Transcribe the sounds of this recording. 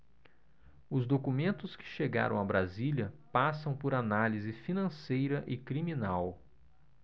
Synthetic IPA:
ʊzd̪okumẽnt̪ʊskɪ̥ʃeɡa̰ɾɐ̰̃w̃abɾaziljɐpasɐ̃w̃pʊɾanalizɪfinɐ̃sejɾɐʔɪkɾimĩnaw

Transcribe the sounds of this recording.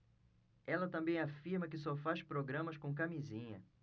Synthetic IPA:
ɛlɐt̪ɐ̃mbẽj̃afiɾmɐkɪsɔfaʃpɾoɡɾɐ̃mɐskõw̃k̬amizĩɲɐ

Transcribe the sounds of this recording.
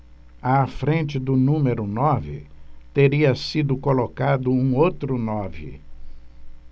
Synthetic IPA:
afɾẽnt͡ʃɪd̪ʊnũmeɾʊnɔvɪ̰t̪eɾiɐsid̪ʊkolokad̪ʊũowt̪ɾʊnɔvɪ̰

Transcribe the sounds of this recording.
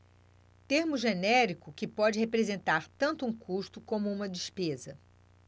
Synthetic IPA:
t̪eɾmʊʒenɛɾikʊkɪpɔd͡ʒɪhepɾezẽnt̪aɾt̪ɐ̃nt̪ʊũkʰuʃt̪ʊkõmʊũmɐd͡ʒispezɐ

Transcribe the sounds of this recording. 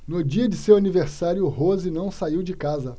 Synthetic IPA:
nʊd͡ʒiɐd͡ʒɪsewaniveɾsaɾjʊɦozɪnɐ̃w̃saiwd͡ʒɪkazɐ

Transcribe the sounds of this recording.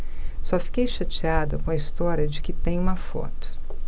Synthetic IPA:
sɔfi̥kejʃɐt͡ʃiad̪ɐkõɐist̪ɔɾjɐd͡ʒɪkɪt̪ẽj̃ũmɐfɔ̰t̪ʊ̥

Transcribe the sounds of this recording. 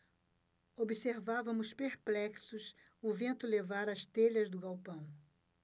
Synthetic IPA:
obiseɾvavɐmʊspeɾplɛksʊs | ʊvẽnt̪ʊlevaɾɐst̪eʎɐzd̪ʊɡawpɐ̃w̃

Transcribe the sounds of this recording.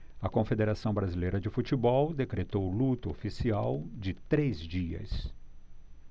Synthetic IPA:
ɐkõfed̪eɾasɐ̃w̃bɾazilejɾɐd͡ʒɪfut͡ʃɪbɔwd̪ekɾet̪owlut̪ʊofisiawd͡ʒɪt̪ɾezd͡ʒiɐ̰s

